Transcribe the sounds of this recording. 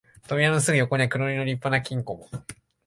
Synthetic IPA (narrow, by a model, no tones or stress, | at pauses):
t̪o̞mʲianos̬ɨɡɯ̟jo̞ko̞ɲ̟iakɯ̟ɾoɾʲino̞ɾʲipːanakʲĩŋko̞mo